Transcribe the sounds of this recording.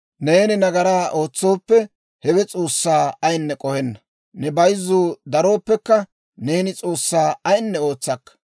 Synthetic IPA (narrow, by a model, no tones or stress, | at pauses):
neːnɪnɐɡɐɾaːʔo̞ːt͡sːo̞ːpːɛ | hɛwɛt͡sʼoːsːaːɐjnːɛkʼɔhɛnːɐ | nɛbɐjzuːd̪ɐɾo̞ːpːɛkːɐ | ne̞ːnɪt͡sʼoːsːaːɐjnːɛo̞ːt͡sːɐkːɐ̥